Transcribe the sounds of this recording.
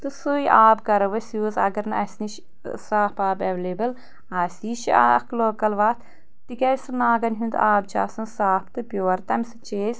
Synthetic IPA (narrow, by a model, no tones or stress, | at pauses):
t̪ɨsujiʔaːb̚ɡɐɾɐʋɐsjuːzɐ̰ɡɐɾnɐʔɐsʲniʃ | saːpaːbɐʋleːbɐl | aːsiːʃa̰ɐ̰kʰloːkɐlʋaːt̪ʰ | t̪iɡʲɐjsɨnaːɡɐnɦund̪̰ʔaːb̚t͡ʃʰa̰ːsɐnsaːpʰt̪ɨpʲjoːɾt̪ɐmʲsɨ̥t͡ʃeːsʲ